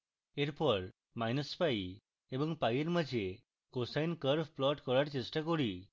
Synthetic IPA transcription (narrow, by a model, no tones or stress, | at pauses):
eɾpɔɾ | majnəspajː | bɔŋpajeɾməd͡ʒʱe | kosajnkəɾfplɔʈkɔɭaɾt͡ʃesʈakɔɽi